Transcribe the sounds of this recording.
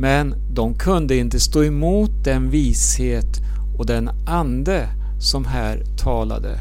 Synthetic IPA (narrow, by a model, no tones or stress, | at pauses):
mɛn | d̪ɔmkʰɵnd̪əɪnt̪əst̪oːɛmuːt̪̚d̪ɛnviːsheːt̪ | ɔd̪ɛn | and̪ə | sɔmɦæːɾt̪ʰɑːla̰d̪ə̰